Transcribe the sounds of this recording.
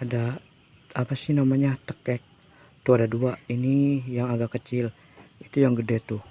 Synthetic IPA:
ada | apasɪhnamaɲat̪əkɛk̚ | t̪uadaduainijaŋaɡakət͡ʃɪl | it̪ujaŋɡədət̪u

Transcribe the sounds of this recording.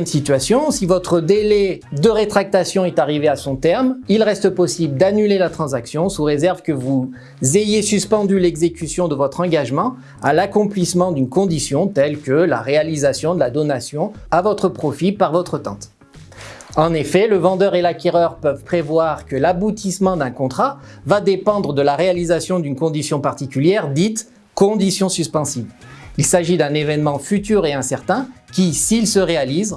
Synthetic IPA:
ɛmsit̪ɥasjɔ̃sivɔt̪χəd̪elɛd̪əʁet̪χak̚t̪asjɔ̃ɛt̪aʁiveasɔ̃t̪ɛʁmilʁɛst̪əpɔsibləd̪anylelat̪χɑ̃zaksjɔ̃suʁezɛʁvkəvu | zejesyspɑ̃d̪ylɛɡzekʲysjɔ̃d̪əvɔt̪χɑ̃ɡaʒmɑ̃ | alakɔ̃plismɑ̃d̪ynkɔ̃d̪isjɔ̃t̪ɛlkəla̰ʁealizasjɔ̃d̪əlad̪ɔnasjɔ̃avɔt̪χəpχɔfipaʁvɔt̪χət̪ɑ̰̃t̪ | ɑ̃nefɛləvɑ̃d̪œʁelakʲɛʁœʁpœvpχevwaʁkəlabut̪ismɑ̃d̪ɛ̃kɔ̃t̪χavad̪epɑ̃d̪ʁəd̪əlaʁealizasjɔ̃d̪ynkɔ̃d̪isjɔ̃paʁt̪ikʲyljɛʁd̪it̪ | kɔ̃d̪isjɔ̃syspɑ̃sivilsaʒid̪ɛ̃nevɛnmɑ̃fyt̪yʁeɛ̃sɛʁt̪ɛ̃kʲisilsəʁealiz

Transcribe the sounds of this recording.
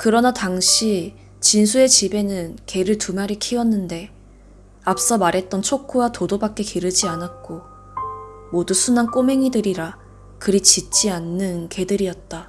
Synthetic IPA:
kɯɾʌnataŋɕʰi | t͡ɕinsʰue̞t͡ɕibe̞nɯnke̞ɾɯɭtumaɾikʰiwʌnːɯnde̞ | ap̚s͈ʌmaɾɦe̞t̚t͈ʌnt͡ɕʰokʰuwatodobak͈̚e̞keɾɯd͡ʑianat̚k͈o | modusʰunank͈ome̞ŋidɯɾiɾa | kɯɾit͡ɕit͡ɕ͈ianːɯnke̞dɯɾiʌt̚t͈a

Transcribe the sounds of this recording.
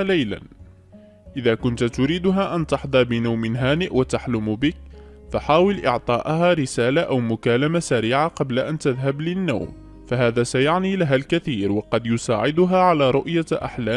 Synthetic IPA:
lajla̰n | ʔɪðaːkʊnt̪t̪ʊɾiːd̪ʊɦaʔant̪ɑħd̪ˤɑɾˤbɪnawmɪnɦaːnɪʔwat̪aħlʊmbɪk̚ | faħaːwɪlʔɪʕt̪ˤɑːʔahaːɾɪsaːlaʔawmʊkaːlamasaɾiːʕaqɑblaʔant̪aðɦablɪnːa̰wm | faɦaːðaːsajaʕniːlaɦalkaθiːɾwɑqɑd̪jʊsa̰ːʕɪd̪ʊɦaːʕalaːɾˤʊʔjaʔa̰ħlaː

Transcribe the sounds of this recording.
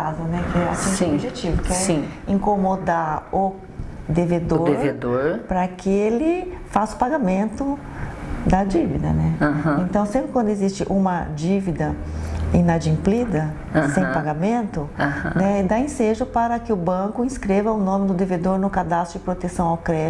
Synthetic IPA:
azɐnɛkɪɛa̰sĩsobiʒet͡ʃivʊkɛɾĩĩŋkomod̪aɾʊ | d̪eved̪odeɾved̪oɾpɾɐkɪelɪ | fasʊ̥paɡamẽnt̪ʊ | d̪ɐd͡ʒivḭd̪ɐ̰nɛahẽnt̪ɐ̃w̃sẽpɾɪkwɐ̃nd̪ʊezist͡ʃɪʔũmɐd͡ʒivid̪ɐ | ẽnad͡ʒĩmplid̪ɐ | sẽj̃paɡamẽnt̪ʊahnɛd̪aẽseʒʊpaɾɐkɪʊbɐ̃kʊĩskɾevɐʊnõmɪd̪ʊd̪eved̪oɾnʊkad̪ast̪ɾʊd͡ʒɪpɾot̪esɐ̃w̃awkɾɛ

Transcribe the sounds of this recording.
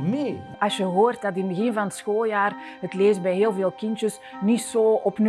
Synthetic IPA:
me | ɑsjəɦoːrt̚dɑtɪnbəɣɪnvɑnətsxoːlˠjaːr | ɦətleːszbɛjɦeːlˠveːlˠkɪntəs | nitsoːɔpn

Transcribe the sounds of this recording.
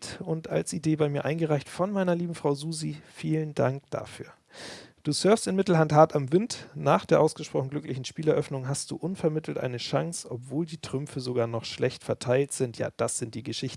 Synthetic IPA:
tʊnta̰lsideːbaɪmiːɐʔaɪnɡəʁaɪçtfɔnmaɪnɐliːbm̩fʁ̥aʊzuːzifiːlənda̰ŋkd̥a̰ːfy̰ːɐ | d̥uːsœɐfstɪnmɪtl̩ɦanthaɐtamvɪntnaːχd̥eːɐʔaʊsɡ̥əʃpʁ̥ɔχn̩ɡlʏklɪçn̩ʃpiːlɛɐʔœfnʊŋɦast̚d̥ṵːʔʊnfɛɐmɪtl̩tʔa̰ɪnəʃaŋsʔɔpv̥oːldiːtʁ̥ʏmfəzoɡaːɐnɔχʃlɛçtfɛɐtʰaɪltz̥ɪntʰja̰ːd̥asz̥ɪnt̚d̥iːɡəʃɪçtn̩

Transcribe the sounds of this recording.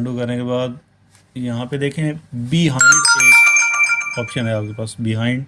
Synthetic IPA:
ɳɖukɐɾnekebaːd̪ | jɐɦãped̪eːkʰiẽbiɦãːɪ̃ɳɖẽ | ɔːpʃənɦɛaːp̚kepaːsbɪɦãːɪ̃ɳɖ

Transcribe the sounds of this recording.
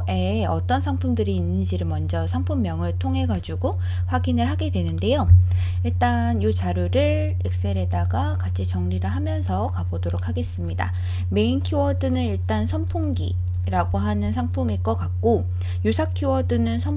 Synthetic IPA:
e̞ | ʌt͈ʌnsʰaŋpʰumdɯɾiːnːɯnd͡ʑiɾɯɭmʌnd͡ʑʌsʰaŋpʰumːjʌŋɯɭtʰoŋɦe̞ɡad͡ʑuɡo | ɸwaɡinɯɭɦaɡe̞dwe̞nɯnde̞jo | iɭt͈a | njut͡ɕaɾjuɾɯɭ | ek̚s͈e̞ɾe̞daɡakat͡ɕʰit͡ɕʌŋɾiɾɯɭɦamjʌnsʰʌkabodoɾok̚ʰaɡe̞s͈ɯmɲida̰ | me̞inkʰjuʌdɯnɯniɭt͈ansʰʌmpʰuŋɡḭ | ɾaɡoɦanɯnsʰaŋpʰumiɭk͈ʌk͈ak̚k͈o | jusʰakʰjuʌdɯnɯnsʰʌ

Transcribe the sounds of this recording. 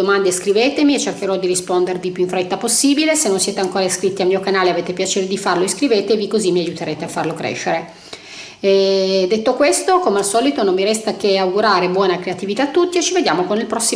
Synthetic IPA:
omand̪eskɾiveːt̪emiet͡ʃːerk̟eɾɔd̪iɾispond̪ervipuiɱfɾet̪ːaposːiːbilesenːonsjeːt̪eaŋkoːɾaiskɾit̪ːialmiːokanaːleaveːt̪epjat͡ʃeːɾed̪ifarloeskɾiveːt̪evikozimːiajut̪eɾeːt̪eafːarlokɾḛːʃːeɾe | ɛd̪et̪ːokwest̪okomealsɔːlit̪onomːiɾɛst̪ak̟eawɡuɾaːɾebwɔːnakɾeat̪ivit̪at̪ːut̪ːiet͡ʃived̪jaːmokonilpɾɔsːi

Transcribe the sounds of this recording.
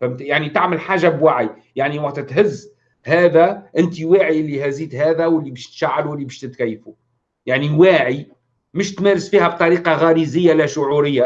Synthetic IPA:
fæmjaʕnit̪aʕməlħaːʒabwaʕj | jaʕniwaʔt̪t̪ɦɪzː | hæːðæʔɪnt̪iwaːʕiɪlːihæziːt̪ɦæːðæwəlːibæːʃt̪ʃaʕːaluəlːibæːʃt̪ɪt̪kæjːfu | jaʕniwaːʕi | mʊʃt̪mæːɾɪsfiːhæb̚t̪ˤɑɾiːqɑɣɑːɾizɪjːalæʃʊʕuɾɪjːa

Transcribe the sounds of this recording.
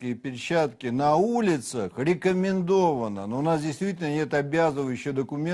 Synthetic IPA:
kəjəpʲɪɾʲt͡ɕːat̪kʲɪnɐulʲɪt̪səxɾʲɪkəmʲɪnd̪o̞vənə̰noʊnasdʲɪjst̪vʲitʲɪlʲnənʲe̞t̪ɐbʲazɨvəjʉɕːɪjd̪əkʊmʲe

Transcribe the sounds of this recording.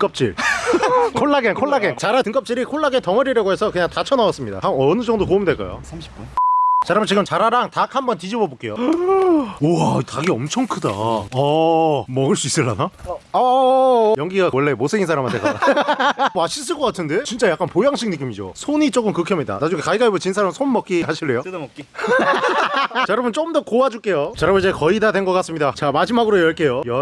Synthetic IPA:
tk͈ʌp̚t͡ɕ͈ḭɭ | kʰoɭːaɡenkʰoɭːaɡent͡ɕaɾatɯŋk͈ʌp̚t͡ɕ͈iɾikʰoɭːaɡentʌŋʌɾiɾʌɡoesʰʌkɯɲaŋtat͡ɕʰʌnawas͈ɯmɲida̰hamʌnɯd͡ʑʌŋdokomndwe̞ɭk͈a̰jo̰sʰamɕi̥k͈t͡ɕaɾamɯɭt͡ɕiɡɯmt͡ɕaɾaɾaŋtakhambʌntid͡ʑibʌbok͈e̞jo̰ | oaitaɡiʌmt͡ɕʰʌŋkʰɯda̰ʌmʌɡɯɭs͈uis͈ɯɭːa̰naʌ | jʌŋɡiɡawʌɭːe̞mosʰeɡinsʰaɾamɦant̪ʰeɡ | aɕʰis̬͈ɯɭk͈ʌk͈atʰɯnde̞t͡ɕint͡ɕ͈ajak͈anpojaŋɕʰiŋ̚nɯk̬͈imid͡ʑo̰sʰoɲit͡ɕ͈oɡɯmkɯkʰʌmɲida̰nad͡ʑuŋekaiɡaibot͡ɕinsʰaɾamnsʰonmʌk͈iɦaɕʰiɭːe̞jodmʌk͈i | t͡ɕaɾabɯnt͡ɕ͈omdʌkowad͡ʑuk͈e̞jot͡ɕaɾabɯd͡ʑekʌidadwe̞nɡʌk͈as͈ɯmɲidat͡ɕamad͡ʑimaɡɯɾojʌɭk͈e̞jojʌ

